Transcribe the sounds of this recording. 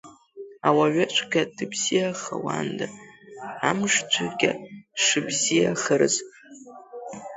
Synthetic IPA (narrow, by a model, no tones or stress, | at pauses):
awaɥat͡ʃʷʰʼɡʲad̥ɨbz̥ijaχawa̰nda | amʂd͡ʒʷʰaɡʲaʂɨbzijaχərɨzʼ